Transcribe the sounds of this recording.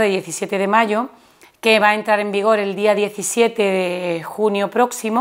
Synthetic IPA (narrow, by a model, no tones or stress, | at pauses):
ðeðje̞θisje̞t̪e̞ðe̞maʝo | keβaent̪ɾaɾe̞mbiɣ̞o̞ɾe̞ld̪iaðje̞θisje̞t̪eðexunjopɾo̞ksimo